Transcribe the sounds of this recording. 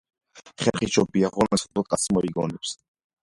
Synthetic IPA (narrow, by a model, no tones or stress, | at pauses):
χɛɾχit͡ʃʰɔbiaʁɔnɛsɔp̪ɔt̪̚ʼkʼasimɔɾiɡɔnɛps